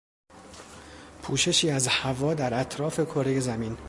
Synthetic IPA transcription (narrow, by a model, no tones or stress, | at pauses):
pʰuːʃe̞ʃiːæzhævɒːd̪æɾæt̪ʰɾɒːfe̞kʰo̞ɾe̞je̞zæmin